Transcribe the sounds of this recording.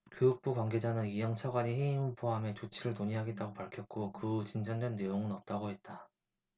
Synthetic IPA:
kɯɯk̚p͈ukwaŋɡe̞d͡ʑanɯnijʌŋt͡ɕʰaɡwaɲiheimɯnpʰoame̞t͡ɕot͡ɕʰiɾɯɭtoɲiɦaɡe̞t̚t͈aɡopaɭkʰjʌt̚k͈okɯt͡ɕind͡ʑʌnd͡ʑʌnːe̞joŋɯnʌp̚t͈aɡoɦe̞t̚t͈a

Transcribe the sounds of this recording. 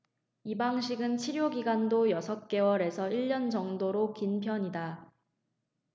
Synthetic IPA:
ibaŋɕʰiɡɯnt͡ɕʰiɾjoɡiɡandojʌsʰʌk̚k͈e̞wʌɾe̞sʰʌiɭːʌnd͡ʑʌŋdoɾokinpʰjʌɲida

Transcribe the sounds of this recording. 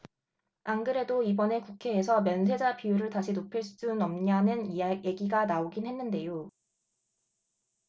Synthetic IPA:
aŋɡɯɾe̞doibʌne̞kukʰe̞ːsʰʌmjʌns̬ʰe̞d͡ʑapijuɾɯɭtaɕʰinopʰɯɭs͈s͈unʌmɲanɯnije̞ɡiɡanaoɡinhe̞nːɯnde̞jo

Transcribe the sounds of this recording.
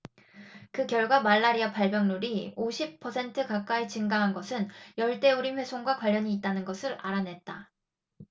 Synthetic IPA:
kɯkjʌɭɡwamaɭːaɾiapaɭbjʌŋnuɾioɕʰip̚pʰːʌsʰe̞ntʰɯkak͈aet͡ɕɯŋɡaɦanɡʌsʰɯnjʌɭt͈e̞uɾinɸwe̞sʰoŋɡwakwaʎːʌɲiːt̚t͈anɯnɡʌsʰɯɾa̰ɾanɦe̞t̚t͈a

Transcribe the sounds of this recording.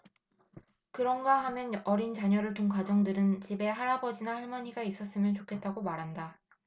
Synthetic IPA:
kɯɾʌnɡaɦamjʌnʌɾint͡ɕaɲʌɾɯɭtoŋkad͡ʑʌŋdɯɾɯnt͡ɕibe̞ɦaɾabʌd͡ʑinahʌɭmʌɲiɡais͈ʌs͈ɯmjʌnt͡ɕokʰe̞t̚t͈aɡomaɾɦanda

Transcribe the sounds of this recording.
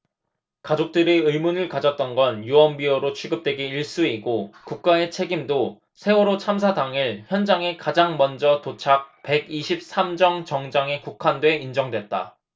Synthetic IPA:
kad͡ʑok̚t͈ɯɾiɯɭmunɯɭkad͡ʑʌt̚t͈ʌnɡʌnjuʌnbiʌɾot͡ɕʰiɡɯp̚t͈we̞ɡeiɭs͈uiɡokuk̚k͈ae̞t͡ɕʰe̞ɡimdo | sʰe̞uɾot͡ɕʰamsʰadaŋiɭçjʌnd͡ʑaŋe̞kad͡ʑaŋmʌnd͡ʑʌtot͡ɕʰak̚pe̞ɡiɕʰip̚s͈ʰamd͡ʑʌŋt͡ɕʌŋd͡ʑaŋe̞kukʰandwe̞ind͡ʑʌŋdwe̞t̚t͈a̰

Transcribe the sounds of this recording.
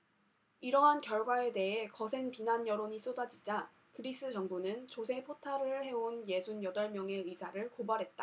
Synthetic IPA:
iɾʌɦankjʌɭɡwae̞de̞ɦe̞kʌsʰe̞ŋpinanjʌɾoɲis͈odad͡ʑid͡ʑa | kɯɾis͈ʰɯd͡ʑʌŋbunɯnt͡ɕosʰe̞pʰotʰaɾɯɭhe̞onje̞d͡ʑʰunjʌdʌɭmjʌŋe̞isʰaɾɯɭkobaɾɦe̞t̚t͈a

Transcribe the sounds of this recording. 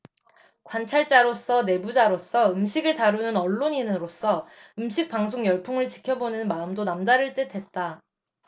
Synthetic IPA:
kwant͡ɕʰaɭt͡ɕ͈aɾos͈ʰʌne̞bud͡ʑaɾos͈ʰʌɯmɕʰiɡɯɭtaɾunɯnʌɭːoɲinɯɾos͈ʰʌɯmɕʰik̚p͈aŋs̬ʰoŋjʌɭpʰuŋɯɭt͡ɕi̥kʰjʌbonɯnmaɯmdonamdaɾɯɭt͈etʰwe̞t̚t͈a

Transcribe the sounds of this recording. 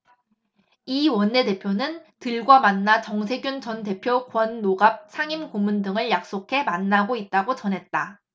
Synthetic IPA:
iwʌnːe̞de̞pʰjonɯntɯɭɡwamanːat͡ɕʌŋsʰe̞ɡjunt͡ɕʌnte̞pʰjokwʌnːoɡap̚sʰaŋimkomundɯŋɯɭjak̚s͈okʰe̞manːaɡoit̚t͈aɡot͡ɕʌnɦe̞t̚t͈a

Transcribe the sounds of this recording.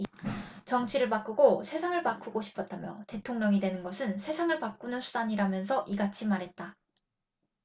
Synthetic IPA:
t͡ɕʌŋt͡ɕʰiɾɯɭpak͈ɯɡosʰe̞sʰaŋɯɭpak͈uɡoɕʰi̥pʰʌtʰamjʌte̞tʰoŋɲʌŋidwe̞nɯnɡʌsʰɯnsʰe̞sʰaŋɯɭpak͈unɯnsʰudaɲiɾamjʌnsʰʌʔiɡat͡ɕʰimaɾɦe̞t̚t͈a

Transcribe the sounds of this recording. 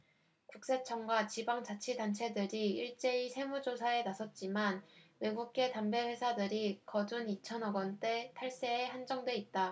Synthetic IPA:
kuk̚s͈e̞t͡ɕʰʌŋɡwat͡ɕibaŋd͡ʑat͡ɕʰidant͡ɕʰe̞dɯɾiiɭt͡ɕ͈e̞isʰe̞mud͡ʑosʰae̞nasʰʌt̚t͡ɕ͈imanwe̞ɡuk̚k͈e̞tambe̞ɸwe̞sʰadɯɾikʌd͡ʑunit͡ɕʰʌnʌɡʌnt͈e̞tʰaɭs͈e̞ːhand͡ʑʌŋdwe̞it̚t͈a

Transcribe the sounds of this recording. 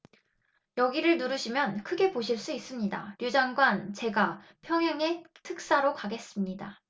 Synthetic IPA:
jʌɡiɾɯɭnuɾɯɕʰimjʌnkʰɯɡe̞poɕʰiɭs͈uis͈ɯmɲida̰ɾjud͡ʑaŋɡwant͡ɕe̞ɡapʰjʌŋɦjaŋe̞tʰɯk̚s͈aɾokaɡe̞s͈ɯmɲida

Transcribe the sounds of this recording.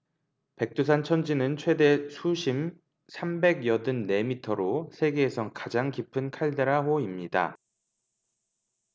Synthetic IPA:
pe̞k̚t͈usʰant͡ɕʰʌnd͡ʑinɯnt͡ɕʰwe̞de̞sʰuɕʰim | sʰambe̞ɡjʌdɯnːe̞mitʰʌɾosʰe̞ɡe̞ːsʰʌkad͡ʑaŋkipʰɯnkʰaɭde̞ɾaɦoimɲida̰

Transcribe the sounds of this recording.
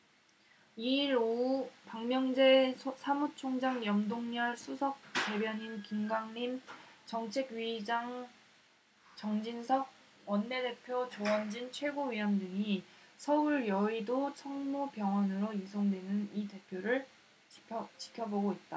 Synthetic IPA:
iɾopaŋmjʌŋd͡ʑe̞sʰamut͡ɕʰoŋd͡ʑaŋjʌmdoŋɲʌɭsʰusʰʌk̚t͈e̞bjʌɲinkimɡaŋɲimt͡ɕʌŋt͡ɕʰe̞ɡɥid͡ʑaŋ | t͡ɕʌŋd͡ʑinsʰʌɡ̚ | wʌnːe̞de̞pʰjot͡ɕoʌnd͡ʑint͡ɕʰwe̞ɡoɥiwʌndɯŋisʰʌuɭjʌidot͡ɕʰʌŋmopjʌŋwʌnɯɾojisʰoŋdwe̞nɯnite̞pʰjoɾɯɭ | t͡ɕi̥ʌt͡ɕi̥kʰjʌboɡoit̚t͈a

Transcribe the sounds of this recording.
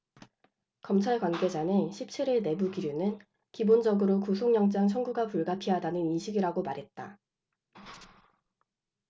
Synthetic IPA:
kʌmt͡ɕʰaɭkwanɡe̞d͡ʑanɯnɕʰip̚t͡ɕʰiɾiɭne̞buɡiɾjunɯn | kibond͡ʑʌɡɯɾokusʰoŋɲjʌŋt͡ɕ͈aŋt͡ɕʰʌnɡuɡapuɭɡapʰiɦadanɯninɕʰiɡiɾaɡomaɾɦe̞t̚t͈a̰

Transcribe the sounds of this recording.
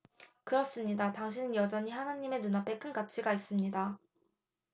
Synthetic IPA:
kɯɾʌs͈ɯmɲidataŋɕ̬ʰinɯnjʌd͡ʑʌɲihanaɲːime̞nunapʰe̞k͈ʰɯnkat͡ɕʰiɡais͈ɯmɲida

